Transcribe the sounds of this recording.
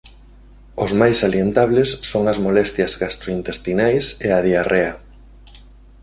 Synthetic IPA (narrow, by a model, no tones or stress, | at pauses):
ʊzmajsaljent̪aβlesːoŋɐzmolɛst̪jɐzɣast̪ɾoint̪est̪inajseaðiarea